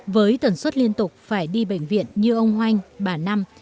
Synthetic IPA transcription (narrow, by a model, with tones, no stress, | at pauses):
vəː˨˦jt̪ə˨˩nswə˦˥t̚li˧ənt̪ʊ˨˩k͡p̚faː˧˩jɗi˧ɓə̰˧˨jŋ̟vḭ˧˨ənɲɨ˧ʔə˧wŋ͡mhwa˧jŋ̟ɓaː˨˩na˧m